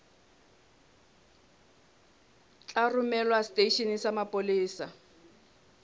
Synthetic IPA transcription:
t͡ɬarʊmɛlwastʼeʃinisamapʼoliːsa

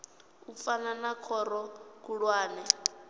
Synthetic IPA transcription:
ufananakʰɔɾɔkuɺwaːnɛ

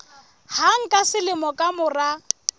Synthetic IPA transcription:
haŋ̩kʼasɪlɪmɔkʼamʊra

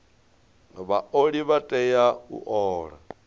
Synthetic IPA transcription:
βaoɺiβatʼɛjaṵʔɔːɺa̰

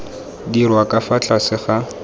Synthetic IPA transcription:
dirwakʼafat͡ɬʰʼasɪχa

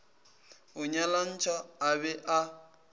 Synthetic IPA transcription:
ʊɲalan̩t͡ʃʰʼaːβɛʔa

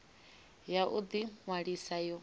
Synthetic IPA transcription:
jaʔud̪iŋwaɺisajɔ

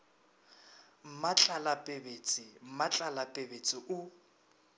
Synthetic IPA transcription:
m̩mat͡ɬʼalapʼebet͡sʼɪm̩mat͡ɬʼalapʼebet͡sʼɪʔʊ

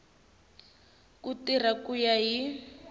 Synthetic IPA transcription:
kutir̤akujaɦi

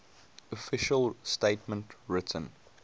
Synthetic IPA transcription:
ɔfɪʃəlsteɪtmə̃ntɹɪtʰə̰̃n

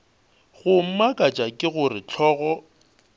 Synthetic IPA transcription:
ɣʊm̩makʼat͡ʃʼakʼɪɣʊrɪt͡ɬʰɔːɣɔ

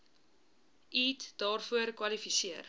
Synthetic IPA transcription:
iːtd̥ɑːrfuərkwɐlifisiər

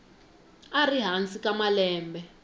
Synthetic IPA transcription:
ariɦant͡sikamalɛːmbɛ

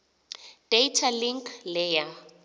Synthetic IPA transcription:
d̥eitʰaliŋkʰlɛja

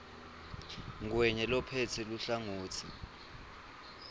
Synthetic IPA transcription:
ŋ̬wɛɲɛlɔpʰɛt͡sʰɛluɬaŋuːtʰi

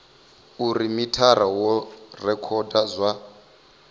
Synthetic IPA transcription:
uɾimitʰaɾawɔrɛkʰɔdazʷa

